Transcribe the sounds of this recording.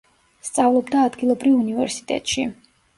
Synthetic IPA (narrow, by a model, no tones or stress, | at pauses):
st̪sʼavlˠɔbd̪aːd̪ɡilˠɔbɾivunivɛɾsi̥t̪ʼɛ̰t̪ʼʃi